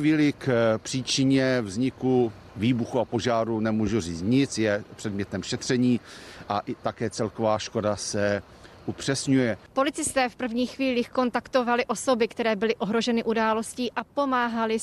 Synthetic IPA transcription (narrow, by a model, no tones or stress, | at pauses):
viːlɪkpr̥iːt͡ʃɪɲɛvzɲɪku | viːbuxuapo̞ʒaːɾunɛmuʒuriːt͡st̪ɲɪt͡sjɛpr̝̥ɛdmɲɛt̪ɛmʃɛt̪r̝̥ɛɲiːʔaʔɪt̪akɛːt͡sɛlkovaːʃko̞dasɛ | ʔupr̝̥ɛsɲujɛpo̞lɪt͡sɪst̪ɛːfpr̩vɲiːxviːliːxko̞nt̪akt̪o̞valɪʔo̞so̞bɪkt̪ɛɾɛːbɪlɪʔo̞ɦɾo̞ʒɛnɪʔudaːlo̞sciːʔapomaːɦalɪ